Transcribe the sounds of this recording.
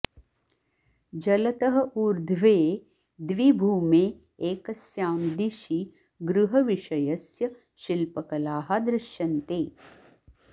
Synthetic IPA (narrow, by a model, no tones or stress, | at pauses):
d͡ʒɐlɐt̪ɐɦɐ̆ʔuɾd̪ʱʋeː | d̪ʋibʱuːme | eːkɐsjaːmd̪iʃi | ɡɾuɦɐʋiʃɐjɐsjɐ | ʃilpɐkɐlaːɦɐd̪ɾɪʃjɐnt̪eː